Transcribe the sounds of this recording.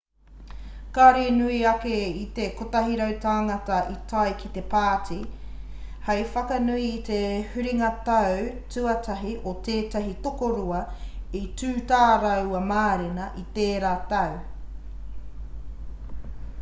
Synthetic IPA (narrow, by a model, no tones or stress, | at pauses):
kaːɾenuiɐkeit̪ekotɐɦiɾɐwt̪aːŋɐtɐʔitʰɐjkit̪e̞paːtʰi | hɐjfɐkɐnuiːt̪ehʉɾiŋɐtɐwtʉɐtʰɐɦiʔot̪eːtɐɦit̪okoɾuɐitʉːtaːɾɐwɐmaːɾenɐʔit̪eːɾaːtɐw